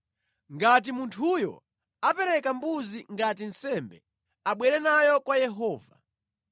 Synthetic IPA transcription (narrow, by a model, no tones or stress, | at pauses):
ŋɡat̬imuntʰujɔ̰ | apɛɾɛkambuziŋɡatin̩sɛmbɛ | aɓwɛɾɛnajɔkwajɛɦɔːva̰